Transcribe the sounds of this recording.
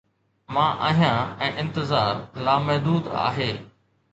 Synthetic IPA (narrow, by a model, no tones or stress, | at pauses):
mãːʔa̰ːɦjãɛ̃ːʔɪ̃nt̪ɪzaːɾlaːmɛɦd̪uːd̪a̰ːɦeː